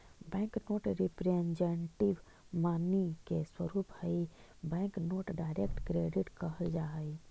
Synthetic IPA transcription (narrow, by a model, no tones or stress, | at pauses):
bɛ̃ːŋknoːʈɾipɾẽnd͡ʒeɳʈiʋ | maːnikeswəɾuːphəibɛ̃ːŋknoːʈɖaːɪɾekʈkɾeɖiʈkəɦəld͡ʒaɦəi